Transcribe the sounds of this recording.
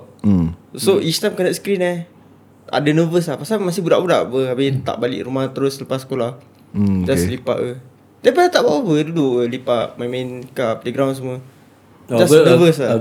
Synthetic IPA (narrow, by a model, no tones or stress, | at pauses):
soʔist̪amkənaʔskɾina | ʔa̰dənəvəs̬lahpasamas̬ibudaʔbudaʔbəabit̪a̰ʔbalḭʔɾumaht̪əɾʊsːəlapasə̥kolah | d͡ʒaslipa̰ʔə | dɛpanat̪aʔbawabəduduʔəlipaʔmajmankapleɡɾawns̬əmuə | d͡ʒasnəvəsa